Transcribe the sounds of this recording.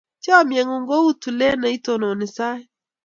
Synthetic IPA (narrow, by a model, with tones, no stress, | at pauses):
t͡ʃɔ˦mjɛ˨ŋo˨ŋɡo˦u˦tu˨le˦na˨i˦to˦no˨nɪ˨sa˦ɛ˦